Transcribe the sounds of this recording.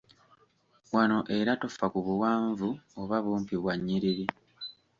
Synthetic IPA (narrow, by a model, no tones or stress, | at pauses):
wano̞ʔe̞ɾato̞fakuβuwaːɱvuoβaβuːmpiβwaɲːiɾiɾi